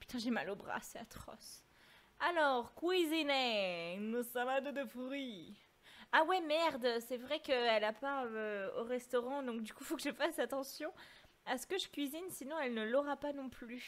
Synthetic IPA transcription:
py̥t̪ɛ̃ʒɛma̰lobʁa̰sɛat̪χɔ̰s | alɔʁkwizinɛnosãlãd̪od̪əfuʁi | awɛmɛʁd̪sɛvʁɛkəɛlapaoʁɛst̪ɔʁɑ̃d̪ɔ̃k̚d̪ykufokəʒəfasat̪ɑ̃sjɔ̃ | asə̥kəʒəkʲɥizinsinɔ̃ɛlnəlɔʁapanɔ̃ply

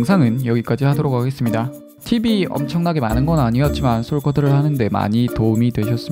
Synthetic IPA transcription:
ŋsʰaŋɯnjʌɡik͈ad͡ʑihadoɾokaɡe̞s͈ɯmɲida | tʰibiʌ̰mt͡ɕʰʌŋnaɡe̞manɯnɡʌnaɲiʌt̚t͡ɕ͈imansʰoɭk͈ʰʌdɯɾɯɭhanɯnde̞ma̰ɲitoumidwe̞ɕʰʌs͈ɯm

